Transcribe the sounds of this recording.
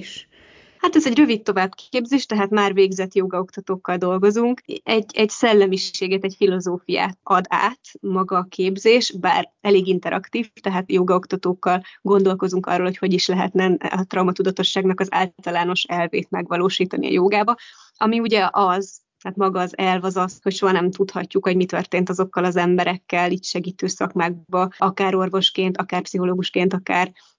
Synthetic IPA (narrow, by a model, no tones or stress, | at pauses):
ʃ | hat̪ɛzɛɟrø̞vit̪ːo̞vaːbkeːbzeːʃt̪ɛɦaːt̪maːrveːɡzɛt̪joːɡɒo̞kt̪ɒt̪oːkːɒld̪o̞lɡo̞zuŋkɛɟːɛɟsɛlːɛmiʃeːɡɛt̪ɛcfilo̞zoːfija̰ːt̪ɒd̪a̰ːt̪mɒɡɒːkʰeːbzeːʃba̰ːrɛleːɡint̪ɛɾʔɒ̰kt̪iːft̪ɛɦaːt̪joːɡɒokt̪ɒt̪oːkːɒlɡo̞nd̪o̞lko̞zuŋkɒ̰rːoːlho̞cho̞ɟiʃlɛɦɛ̰t̪nɛnɒt̪rɒwmɒt̪ud̪ɒt̪o̞ʃːaːɡnɒkɒza̰ːlt̪ɒlaːno̞ʃɛlveːt̪mɛɡʋɒloːʃiːt̪ɒnḭɒ̰joːɡaːbɒ | ʔɒmiuɟɛʔɒzt̪aːt̪mɒɡɒːzɛlvɒzɒsho̞cʃoɦɒnɛmt̪ut̪hɒ̰cːukho̞ɟmit̪ørt̪eːnt̪ɒzo̞kːɒlɒzɛmbɛɾɛkːɛliːcʃɛɡiːt̪øːsɒkmaːɡ̚bɒɒkaːɾo̞rvo̞ʃkeːnt̪ɒkaːrpsiɦo̞loːɡuʃkeːnt̪ɒkaːr